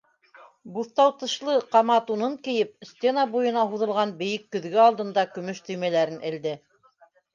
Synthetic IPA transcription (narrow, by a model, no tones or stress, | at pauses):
buθt̪ɑwt̪ɤ̆ʃlˠɤqɑmɑt̪unɤŋkɘ̆jɘp̚sʲt̪ʲenɑbujɤ̆nɑɦuðɤ̆lˠʁɑnbɘ̆jɘkːɵ̆ðɡɘɑlˠd̪ɤ̆nd̪ɑkɵ̆mɵʃt̪ɵ̆jmælæɾɘnʔɘ̆ld̪ɘ